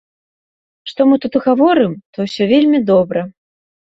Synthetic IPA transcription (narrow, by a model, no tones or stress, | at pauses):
ʂt̪ɔmɨt̪ut̪ɨɣavɔɾɨmt̪ɔwsʲɔvʲelʲmʲid̪ɔbɾɐ